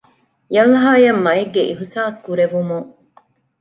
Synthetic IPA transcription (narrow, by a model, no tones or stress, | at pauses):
jɐlɦaːjɐmːɐeɡːeʔiɦusaːskuɾeʋumuŋ